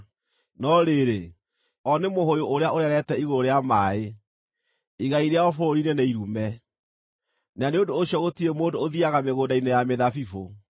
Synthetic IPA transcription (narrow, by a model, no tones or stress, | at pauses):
nɔɾeɾe | ɔnemoɦojoʔoɾeaoɾɛɾɛtɛiɣooɾeamaːe | iɣaiɾeaɔfoɾoɾinenaiɾumɛ | naneodoːɕjɔɣotiɾemoːdoːðiaɣameɣoːdainejameðafifo